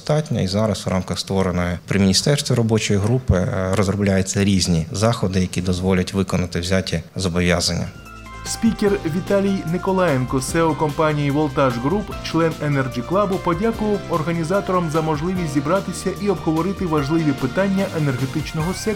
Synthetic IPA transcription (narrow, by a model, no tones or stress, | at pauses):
t̪ɑtʲnʲɔ̰izɑɾɐswrʔɑmkɐxst̪ʋɔɾenɔjɔpɾɪmʲɪnʲist̪ɛrst̪ʋʲiɾɔbɔt͡ʃɔjiɦɾupɪ̰ɾɔzɾɔblʲajɛt͡sʲːɐɾʲizʲnʲizɑxɔd̪ɪjɐkʲid̪ɔzʋɔlʲɐtʲʋɪkɔnɐt̪ɪwzʲatʲizɔbɔʋʲjazɐnʲːɐ̰ | spʲikʲerʋʲit̪ɑlʲijnɪkɔlˠɑjɛnkɔsɛʊkɔmpɑnʲijiʋɔlˠt̪ɑʒɣɾupt͡ʃlˠɛnenɛrʒʲiklˠɑbʊpɔdʲakʊʋɐwɔrɦɐnʲizɑt̪ɔɾɔmzɐmɔʒlˠɪʋʲisʲzʲibɾɑt̪ɪsʲɐʔiɔbɦɔʋɔɾɪt̪ɪʋɐʒlˠɪʋʲipɪt̪ɑnʲːɐʔene̞rɦet̪ɪt͡ʃnɔɦɔsʲɛ